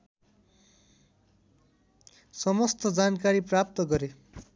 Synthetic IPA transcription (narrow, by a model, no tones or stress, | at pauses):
sʌmʌst̪ʌd͡zankaɾiprap̚t̪ʌɡʌɾe